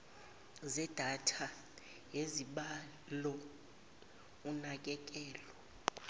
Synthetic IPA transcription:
zɛd̥ʱatʰa | jeziɓa | lɔ | unak̬ɛk̬ʼɛːlɔ

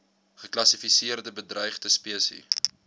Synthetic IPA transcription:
χəklɐsifisiərdəbədrœjχdəspiəsḭ

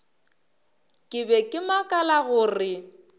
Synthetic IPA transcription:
kʼɪbɛkʼɪmakʼalaɣʊːrɪ

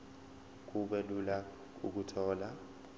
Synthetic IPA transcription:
k̬ʼuɓɛlula | kuk̬utʰɔːla

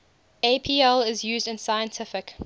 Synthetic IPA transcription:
eɪpʰiːɛlɪzjʉːzdɪ̃nsaɪə̃ntʰɪfɪk

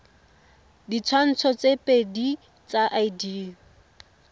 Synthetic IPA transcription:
dit͡sʰwan̩t͡sʰɔt͡sepʼedi | t͡saʔajdiː

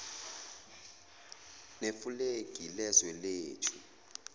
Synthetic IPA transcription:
nefuleɡ̥ʱilɛzwɛleːt͡ʃʰu

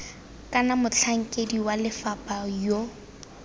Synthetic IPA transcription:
kʼanamʊt͡ɬʰaŋ̩kʼediwalɪfapʼajo

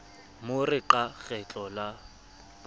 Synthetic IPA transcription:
mʊrɪǃaɣɛt͡ɬʼɔla

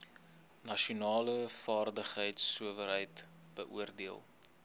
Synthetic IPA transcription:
nɐʃunɑːləfɑːrdəχɦəjtsːuəvəɾɦəjt | b̥əʔṵərdiəlˠ

